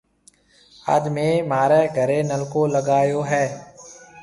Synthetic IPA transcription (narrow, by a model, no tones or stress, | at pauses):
ə̰ːd̪mẽːmaːɾeːɡʱəɾeːnəlkoːləɡaːjoːɦɛː